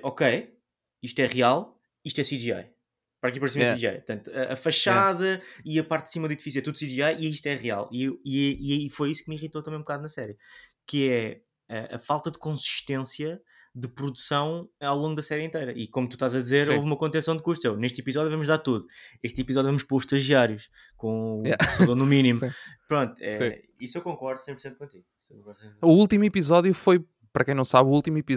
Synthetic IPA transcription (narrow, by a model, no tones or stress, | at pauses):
ɔkej | iʃt̪wɛʁialˠ | iʃt̪wɛsiðia̰j | pɐɾɐkepɐɾsimɛsiʒia̰jpɾt̪ɐ̃nt̪uɐʔɐ̰fɐʃaðɐiɐpaɾt̪d̪simɐðuiðifis̬jɛt̪uðusiðiajʔiiʃt̪wɛʁia̰lˠiewiɛifojisu̥k̚miʁit̪ot̪ɐmɐ̃j̃bkaðunɐsɛɾjkɨɛ | ɐɐ̰falˠt̪ɐðɨkõsi̥ʃt̪ẽsjɐ | ðɨpɾuðusɐ̃w̃awlˠõŋɡud̪ɐsɛɾjẽnt̪ɐjɾɐikomut̪u̥ʃt̪azɐðizeɾowvumɐkõnt̪̬ẽsɐ̃w̃d̪kuːʃt̪sewneʃt̪ipizɔðjuvɐmʒðaɾt̪uðueʃt̪ipizɔðjuvɐmuʃpoɾuʃt̪ɐʒiaɾjuʃ | kõuɛsðoɾnuminim̃pɾõnt̪ɛ | isewkõŋkɔɾðusẽj̃puɾsẽnt̪̚kõnt̪iɣisewkõkɔɾsẽuulˠt̪imuipizɔðjufoj | pɐɾɐkɐ̃j̃nɐ̃w̃saβuulˠt̪imipi